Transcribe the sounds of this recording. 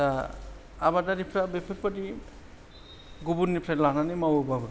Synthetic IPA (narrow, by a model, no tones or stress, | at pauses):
aː | badaɾipʰɾabepʰepadi | ɡubunːipʰɾalananɯjmawɯbabɯ